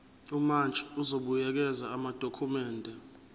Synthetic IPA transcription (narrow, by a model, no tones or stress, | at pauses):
umant͡ʃʼiuzoɓujɛk̬ɛzaːmad̥ʱokʰumɛːndʱɛ